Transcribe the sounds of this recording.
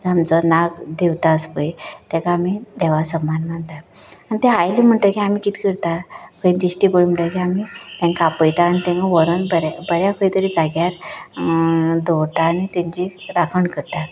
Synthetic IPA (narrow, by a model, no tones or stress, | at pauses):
d͡zamt͡sɔnaɡd̪eʋt̪aəspəjt̪ɛ̃kaːmid̪ɛʋasəmːanmant̪a | anit̪ɛ̃ajlim̤əɳʈ̪əkiam̤ikit̪ʰi̥kəɾt̪akəĩnd̪iɕʈibəɭm̤əɳʈ̪əkiamit̪ɛ̃ŋkapəjt̪aːñit̪ɛ̃ŋkaʋəɾənbəɾabəɾjakʰəit̪əɾid͡zaɡjaɾ | d̪owt̪aːñit̪ẽɲd͡ʑiɾakʰəɳkəɾt̪at̪